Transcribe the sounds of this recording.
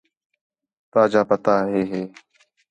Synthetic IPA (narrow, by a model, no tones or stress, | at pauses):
t̪aːd͡ʒaːpət̪aːɦeːɦeː